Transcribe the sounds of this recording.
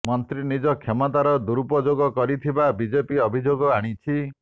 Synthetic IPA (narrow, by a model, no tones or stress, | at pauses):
mɔnt̪ɾinid͡ʒɔkʰemɔt̪aɾɔd̪uɾupɔd͡ʒoɡɔkɔɾit̪ʰibabid͡ʒepiɔbʱid͡ʒoɡɔaɽ̃it͡ʃʰi